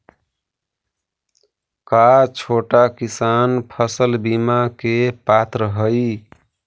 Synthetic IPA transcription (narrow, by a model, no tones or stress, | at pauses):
kat͡ʃʰoʈakisanpʰəsəlbimakepat̪ɾəɦəj